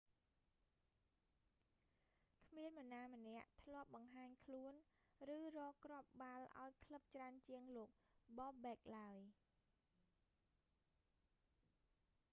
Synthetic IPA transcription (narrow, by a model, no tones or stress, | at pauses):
kʰmiənmə̆naːmənɛ̆əʔt̪ʰlŏəp̚ɓɑŋɦaːɲkʰluənrɨːrɔːkrŏəp̚ɓalʔa̰ɔjkʰləp̚t͡ɕraənt͡ɕiəŋloːk̚ɓɑːɓɛːk̚laəj